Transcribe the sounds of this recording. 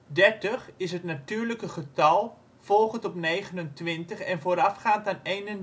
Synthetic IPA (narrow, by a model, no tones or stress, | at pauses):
dɛɹtəχɪsɦətnatyːɹləkəχətɑlˠ | v̥ɔlˠχəntɔpnejχənəntʋɪntəχɛnvoːɾafχaːntanejnən